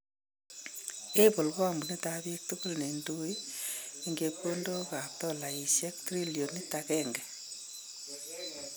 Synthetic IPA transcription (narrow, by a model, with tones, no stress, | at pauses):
e˦po˨lkɔ˦ambu˨ni˦taβik̚tukʊ˦lne˨ndo˦i˦iŋɡe˧pko˦ndo˦ka˨p̚tɔ˦la˨i˨ʃjɛ˦k̚tɾi˦ljo˨ni˦takɛŋɡɛ˨